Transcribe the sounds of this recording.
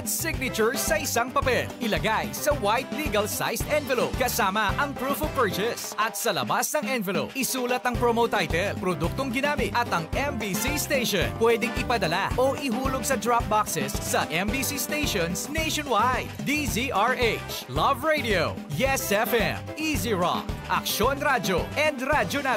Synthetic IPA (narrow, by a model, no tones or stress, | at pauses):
ɐt̪̚sɪɡ̚nɪt͡ʃʊɹsɐʔɪsaŋpɐpɛlʔɪlɐɡajsɐwajt̪liɡɐlsa̰jsɛnvɛlop̚kɐsaːmɐʔɐŋpɹuːfopɛɹt͡ʃɛsʔɐt̪̚sɐlɐ̰basnɐŋɛnvɛlo̰pʔɪsuːlɐt̪ɐŋpɹomowt̪ajt̪ɛlpɾod̪uk̚t̪oŋɡɪnaːmɪt̪ʔɐt̪ɐŋʔɛmbisist̪ejʃonpwɛd̪ɪŋɪpɐd̪ɐlaʔoʔɪɦuːloɡ̚sɐd̪ɹap̚baksɛsːɐʔɛmbisist̪ejʃonsnejʃonwajd̪d̪iziʔaɹʔejt͡ʃ | lɐvɹejd̪io | jɛsɛfɛmʔiziɹɔ̰kʔɐ̰kʃonɾad͡ʒoʔɛnd̪ɾad͡ʒona